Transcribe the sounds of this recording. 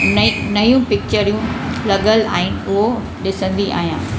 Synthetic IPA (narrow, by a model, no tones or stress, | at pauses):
nɐjũpɪk̚t͡ɕəɾijũlɐɠəla̰ːɦɪnɪ̆ʊɦo | ɗɪsə̃nd̪iʔa̰ːɦijãː